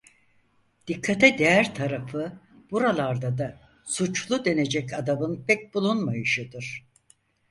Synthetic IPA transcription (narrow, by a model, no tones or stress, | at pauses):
d̪̥ikʰːat̪ʰɛd̪ejæɾt̪ʰaɾafɯ | b̥uɾalˠaɾd̪ad̪a | sut͡ʃlˠud̪e̞ne̞d͡ʒɛcʰad̪abɯnpʰɛc̚bulˠunmajɯʃɯd̪ɯɾ̥